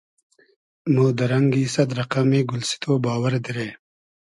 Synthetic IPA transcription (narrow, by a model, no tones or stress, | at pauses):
moːd̪əɾɐŋɡiːsɐd̪ɾɐqamiːɡʊlsi̥t̪ʰoːbaːwɐɾd̪iɾeː